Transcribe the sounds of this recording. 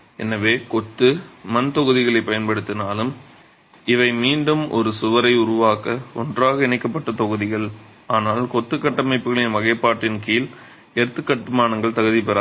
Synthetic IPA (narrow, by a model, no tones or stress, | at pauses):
ɛ̰nːɐʋeːkɔt̪ːɯmɐnt̪ɔɣɯðɪɣɐɭɐɪpːɐjɐnpɐɽɯt̪ːɪnaːlɯm | ɪʋɐɪmiːɳɖɯmʔɔ̰ɾɯsʊʋɐɾɐɪʊɾʊʋaːkɐɔ̰ndraːɣɐɪnɐɪkːɐpːɐʈːɐt̪ɔɣɯðɪɣɐɭ | aːnaːlkɔt̪ːɯkːɐʈːɐmɐɪpːɯɣɐɭɪnʋɐɣɐɪpːaːʈːɪnkiːl | ɛɾɯt̪ːɯkːɐʈːɯmaːnɐŋɡɐɭt̪ɐɣɯðɪpɛɾa